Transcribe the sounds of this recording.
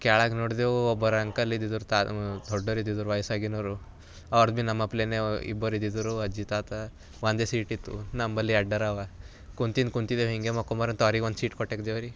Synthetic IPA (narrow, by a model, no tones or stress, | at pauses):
kaɭaɡnɔɽd̪euɔbɔɾaŋkalid̪id̪uɾt̪ad̪ʰʱɔɖːɔɾid̪id̪uɾʋajsaɡinɔɾu | aʋɐɾd̪̚bʱinɐmapleneḭbɔɾid̪id̪uɾuɐd͡ʒit̪at̪a | ʋand̪esiʈit̪ṵnambɐliɐɖːɐɾaʋa | kunt̪inkunt̪id̪eɦiŋɡemɔkɔmaɾɐnt̪ɔɾikʋɐnd̪siːʈkɔʈekd͡ʒ̪eʋɐɾi